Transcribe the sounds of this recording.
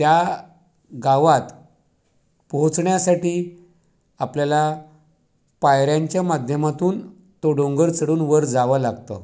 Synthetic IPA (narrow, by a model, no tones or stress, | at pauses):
t̪ja | ɡaʋat̪ | pɔɦõt͡sɳjasaʈiː | apljala | pajɾjaɲt͡ɕjamad̪ʱjəmat̪uːn | t̪oɽõŋɡəɾt͡səɽuːnʋəɾd͡zaʋəlaɡt̪ə